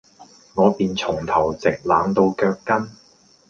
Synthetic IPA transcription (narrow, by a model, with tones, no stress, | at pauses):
ŋɔː˨˧piː˨nt͡sʰʊ˨˩ŋt̪ʰɐ˨˩wt͡sɪ˨k̚laː˨˧ŋt̪o˧wkœː˧kːɐ˥n